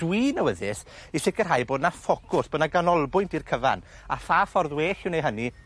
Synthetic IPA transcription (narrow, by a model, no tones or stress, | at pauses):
d̥winəwəðɪsiɬɪkər̥ɦajboːdnafɔkʰʊsb̥oːdnaɡanɔlˠbʊjntʰirkʰəva̰n | afaːfɔrðweːɬɪwnejɦəni